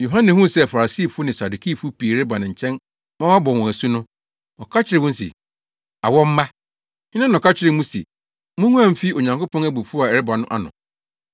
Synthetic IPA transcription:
jo˨ɦã˦nɪ̃˨hũ˦sɛ˦˨fa˨ɾa˨si˦˨fʊ˦nɪ̃˨sa˨du˨kʰi˦˨fʊ˦pʰi˨e˨ɾɪ˦ba˨nɪ̃˨ɲ̩˨t͡ɕʰɛ̃˦n | mã˦wa˦bɔ̃˨n˨wɔ̃˨æ˨su˦nʊ̃˦ | ɔ˨kʰa˦t͡ɕʰɪ˦ɾɪ˦wʊ̃˦n˦sḛ˨ | a̰˨wɔ˦m̩˦mã˦ | ɲɪ˦nã˦nɔ̃˨kʰa˦t͡ɕʰɪ˦ɾɪ˨mũ˦sḛ˨ | mũ˦ŋũ˦ã˦m̩˦fi˦o˨ɲã˨ŋko˦pʰɔ̃˦næ˦bu˨fu˦a˨ɛ˨ɾɪ˦ba˨nʊ̃˦ʔa̰˨nʊ̰̃˨

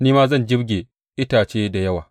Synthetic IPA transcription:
niː˦maː˦zɐ˦˨nd͡ʒɪ˦bɡʲeː˨ | ʔɪ˦taː˨t͡ʃeː˦da˨jɐ˦waː˨

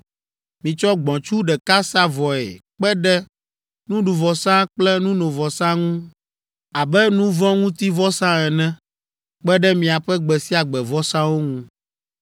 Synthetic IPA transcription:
mĩ˨t͡ʃɔ˦ɡ͡bɔ̃˨t͡ʃu˦ɖɛ˨ka˦sa˦vɔ˨ḛ˨k͡pɛ˦ɖɛ˦ | nũ˦ɖu˨vɔ˨sã˦k͡plɛ˦nũ˦nõ˨vɔ˨sã˦ŋũ˦ | a˨bɛ˦nũ˦vɔ̃˦ŋũ˦t̪i˦vɔ˦sã˦ɛ˨nɛ̃˦ | k͡pɛ˦ɖɛ˦mĩ˨a˨ɸɛ˦ɡ͡bɛ˨si˦a˨ɡ͡bɛ˨vɔ˦sã˦wo˦ŋũ˦

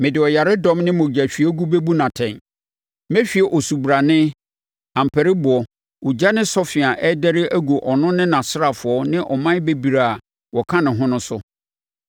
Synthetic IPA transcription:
mɪ̃˨dɪ˨ɔ˨ja˨ɾɪ˦dɔ̃˦mnɪ̃˦mʊ̃˨d͡ʑæ˨ɕᶣi˨ɛ˦ɡu˦be˦bu˦nã˨tʰɛ̃˨n | mɛ˦ɕᶣi˨ɛ˨ʔɔ˨su˨bu˨ɾa˨nɪ̃˦ | ã˨m̩˨pʰæ˨ɾɪ˦bʊ˨ɔ˨ | u˨d͡ʑa˦nɪ̃˦sɔ˦fɪ˨a˨ʔɛ˦dɛ˦ɾɪ˦ʔæ˦ɡo˨ʔɔ˨nʊ̃˦nɪ̃˦nã˨sɪ˦ɾa˨fʊ˨ɔ˦nɪ̃˦ʔɔ˨mã˦be˦bi˨ɾa˨a˨ | wɔ˨kʰã˦nʊ̃˨ɦʊ̃˦nʊ̃˦sʊ˦

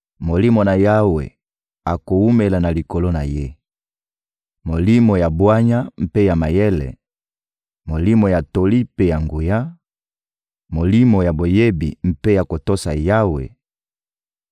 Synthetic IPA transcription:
mo˨li˦mo˨na˨ja˦wḛ˨ | a˨ko˨u˦me˨la˨na˨li˨ko˨lo˦na̰˨je˦ | mo˨li˦mo˨ja˨bwa˦ɲa˦m̩˦pe˦ja˨ma˨je˦lɛ̰˨ | mo˨li˦mo˨ja˨to˨li˦pe˦ja˨ŋɡu˨ja˦ | mo˨li˦mo˨ja˨bo˨je˦bi˨m̩˦pe˦ja˨ko˨to˦sa̰˨ja˦wḛ˨

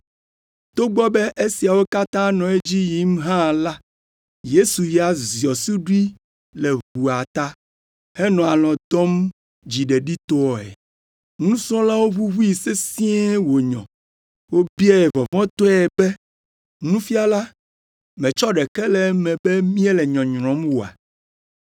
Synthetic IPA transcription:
t̪o˦ɡ͡bɔ˦bɛ˦ʔe˦si˨a˨wo˦ka˦t̪ã˦nɔ̃˨e˦d͡ʑi˦ji˨˦m˦ɦã˦la˦ | je˦su˨ji˨a˨zi˨ɔ˨su˦ɖi˦ | le˨βu˨a˨t̪a˦ | hɛ˦nɔ̃˨a˨lɔ̃˨d̪ɔ˦m | d͡ʑi˨ɖe˨ɖi˦t̪ɔ˦ɔ˨ɛ̰˨ | nũ˦sɾɔ̃˦la˦wo˦βu˦βu˦ji˨se˦sĩ˦ɛ˦wo˨ɲɔ̰̃˨ | wo˦bi˦ɛ˦ɛ˨vɔ˨vɔ̃˦t̪ɔ˦ɛ˨bɛ˦ | nũ˦fi˦a˦la˦ | mɛ̃˨t͡ʃɔ˦ɖɛ˨kɛ˦lɛ˨˦mɛ̃˨bɛ˦mĩ˦e˦lɛ˨ɲɔ̃˨ɲɾɔ̃˨˦mwo˨a̰˨

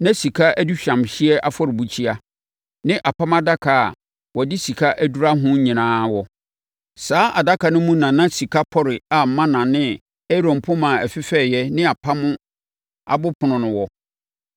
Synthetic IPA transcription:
nã˦si˨kʰa˦æ˦du˦ɕᶣã˨mɕɪ˦ɛ˦ʔa˦fɔ˦ɾɪ˨bu˨t͡ɕʰi˦a˦ | nɪ̃˦ʔa˨pʰã˦ma˦da˦kʰa˨ | wɔ˨dɪ˦si˨kʰa˦ʔæ˦du˦ɾa˦ɦʊ̃˦ɲĩ˨nãː˦wɔ˨ | saː˦ʔa˨da˦kʰa˨nʊ̃˦mũ˦nã˨nã˦si˨kʰa˦pʰɔ˦ɾɪ˨a˨m̩˨mã˦nã˨nɪ̃˦ | ɛ˦ɾõ˨m˨pʰʊ̃˦mã˨æ˨fɪ˦fɛ˦˨jɛ˦nɪ̃˦a˨pʰa˦mʊ̃˦ | a̰˨bʊ˦pʰʊ˨nʊ̃˨nʊ̃˨wɔ˨

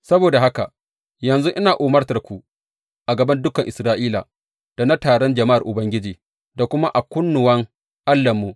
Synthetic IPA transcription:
sɐ˦boː˨da˨ɦa˦ka̰˨ | jɐ˨nzu˦ʔɪ˦naː˨ʔuː˨mɐ˦rtɐ˨rkʷu˨ | ʔa˨ɡɐ˨bɐ˦ndʊ˦kɐ˨ŋʔɪ˨sɾaː˦ʔiː˦la̰˨ | d̥a˨na˦taː˨ɽɔ˦nd͡ʒɐ˨ma˦ʔa˨rʔʊ˨bɐ˦ŋɡʲɪ˦d͡ʒiː˨ | da˨kʷʊ˦ma˦ʔa˨kʷʊ˦nːʊ˨wɐ˦ŋ | ʔa˦lːɐ˨mːu˨

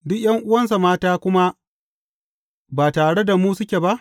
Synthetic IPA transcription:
dʊ˦kʲj̰ɐ˦ŋʔʊ˦wɐ˦ns̬a˨maː˦taː˦kʷʊ˦ma˦ | baː˨taː˨ɽe˦da˨muː˦sʊ˦kʲe˨ba˦ʔ

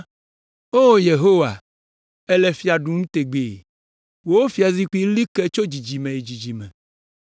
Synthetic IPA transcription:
o˦˨je˨ɦo˦wa̰˨ | ɛ˦lɛ˨fi˦a˨ɖu˨ŋũ˦t̪e˨ɡ͡be˨ | wo˦wo˦fi˨a˨zi˦k͡pi˦li˦kɛ˦t͡ʃo˦d͡ʑi˨d͡ʑi˨mẽ˨e˨d͡ʑi˨d͡ʑi˨mɛ̰̃˨

